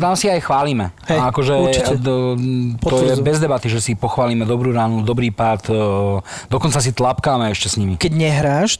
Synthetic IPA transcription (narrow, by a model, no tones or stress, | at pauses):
t̪amsiajxʋaːliːmɛɦɛakɔʒɛut͡ʃiɛ | t̪ɔjɛbɛzd̪ɛbat̪iʒɛsipɔxʋaːliːmɛd̪ɔbɾuːɾaːnud̪ɔbɾiːpat̪ | d̪ɔkɔnt͡sas̬it̪lapkaːmɛɛʃcɛsɲimikɛɟɲɛɦɾaːʃ